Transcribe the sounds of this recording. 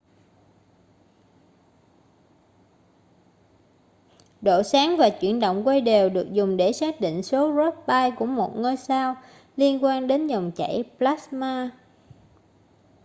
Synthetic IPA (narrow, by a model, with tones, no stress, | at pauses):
ɗo̰˧˨saː˨˦ŋvaː˨˩t͡ɕwḭ˧˩ənɗo̰˧˨wŋ͡mkwə˧jɗe˨˩wɗɨ˨˩ək̚zʊ˨˩ŋ͡mɗe˧˩saː˦˥k̚ɗḭ˧˨ŋ̟so˨˦zɔ˦˥t̚ɓaː˧jku˧˩əmo˨˩t̚ŋəː˧jsaː˧w | li˧ənkwaː˧nɗe˨˦nzə˨˩wŋ͡mt͡ɕa̰˧˩˨jplaː˦˥smaː˧